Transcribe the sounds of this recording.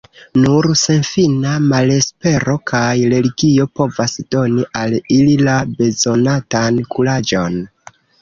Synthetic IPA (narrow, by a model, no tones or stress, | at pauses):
nuɾse̞nfinamale̞spe̞ɾo̞kʰajɾe̞liɡio̞po̞vasd̥o̞niʔalililabe̞zo̞natankʰulad͡ʒo̞n